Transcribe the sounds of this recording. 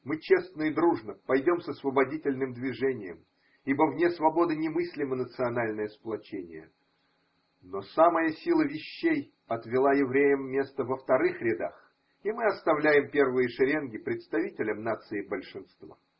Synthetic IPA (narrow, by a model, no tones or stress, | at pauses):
mɨt͡ɕe̞snəɪd̪ɾuʐnəpɐjdʲo̞msɐsvəbɐdʲitʲɪlʲnɨmd̪vʲɪʐɛnʲɪjə̰m | ibəvnʲe̞svɐbo̞d̪ɨnʲɪmɨsʲlʲɪmənət̪sɨɐnalʲnəjəsplˠɐt͡ɕenʲɪ̰jə̰ | nosaməjəsʲilˠəvʲɪɕːej | ɐt̪vʲɪlˠajɪvɾʲejəmːʲe̞st̪əvəft̪ɐɾɨxɾʲɪd̪a̰x | imɨɐst̪ɐvlʲæjɪmpʲe̞rvɨjəʂɨɾʲenɡʲɪpɾʲɪt̪st̪ɐvʲitʲɪlʲəmnat̪sɨɪbəlʲʂɨnst̪va̰